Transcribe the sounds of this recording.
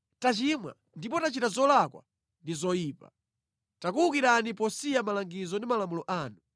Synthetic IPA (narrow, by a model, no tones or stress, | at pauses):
tat͡ʃimwa̰ | ndipɔtat͡ʃitazɔlakwa̰ | ndizɔjiːpa | takuukiɾanipɔsijamalaŋɡizɔndimalamulɔʔaːnu